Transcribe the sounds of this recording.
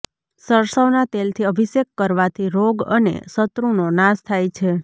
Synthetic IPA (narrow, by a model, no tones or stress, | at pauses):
səɾsəʋnat̪elt̪ʰiəbʱisekːəɾʋat̪ʰiɾoɡə̰nḛsət̪ɾunonãst̪ʰajt͡ʃʰe